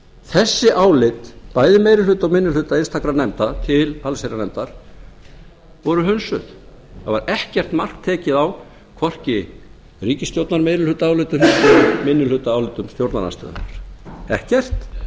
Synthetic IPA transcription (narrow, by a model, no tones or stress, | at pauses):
θɛsːɪʔaːwlɪt̪paːjðɪmeːjɾɪlʏt̪awmɪnːʏlʏːt̪ainst̪akɾanɛmt̪at̪ʰɪlalsejɾanɛmt̪aɾ̥ | vɔɾʏɦʏnsʏð | θava̰ɾɛhcɛr̥t̪mar̥kt̪ʰɛːcɪðaw | kʰvɔr̥cɪ | ɾiːcɪst̪jowt̪naɾmejɾɪlʏt̪aaːwlɪt̪ʏmmɪnːʏlʏt̪aaːwlɪt̪ʏmst̪jowɾt̪na̰na̰st̪œ̰ːð̰na̰ɾ̥ɛhcɛr̥t̪